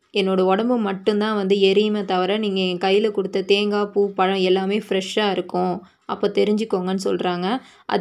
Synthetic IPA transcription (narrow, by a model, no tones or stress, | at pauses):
ɛnːoːɽɐɔɽɐmbɯmːɐʈːɯ̃nt̪ãːʋɐnd̪ɯɛɾɪjmɐt̪ɐʋɐɾɐniːŋɡɐkɐjːɪlɐkʊɽɯt̪ːɐt̪eːŋɡaːpupɐɻɐ̃ɛlːaːmeːfɪɾɛʂaːɪɾɯkːʊ̃ | ʔɐpːoːt̪ɛɾɪɲd͡ʒɪkːoːŋɡɐnːɯsɔ̰lɾaːŋɡɐ | ʔɐ̰